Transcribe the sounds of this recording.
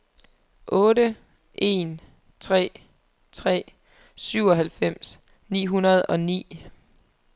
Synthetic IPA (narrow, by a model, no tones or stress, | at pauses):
ʔɔ̽ːɾə | ʔe̝n | t͡sʰʁɛ̰ː | t͡sʰʁɛ̰ː | syʊɒ̽ɦælfem̰s | nḭːɦunɐð̞ˠɒ̽nḭː